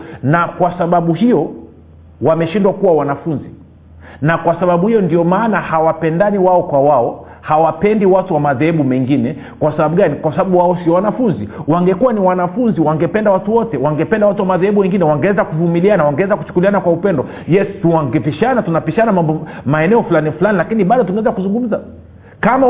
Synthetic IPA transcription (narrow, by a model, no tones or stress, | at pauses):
nakwasaɓaɓuhijɔ | wamɛʃindwakuwawanafunzi | nakwasaɓaɓuhijɔndiɔmaːnahawapɛndaniwaɔkwawaɔ | hawapɛndiwatuwamaðɛhɛɓumɛŋɡinɛ | kwasaɓaɓuɡanikwasaɓaɓuwaɔsiɔwanafunziwaŋɡɛkuwaniwanafunziwaŋɡɛpɛndawatuwɔtɛwaŋɡɛpɛndawatuwamaðɛhɛɓuwɛŋɡinɛwaŋɡɛɛzakuvumilianawaŋɡɛwɛzaku̥t͡ʃu̥kulianakwaupɛndɔ | jɛstuaŋɡɛpiʃanatunapiʃanamambɔmaɛnɛɔfulanifulanilakiniɓaɗɔt̬uŋɡɛɛzakuzuŋɡum̩za | kama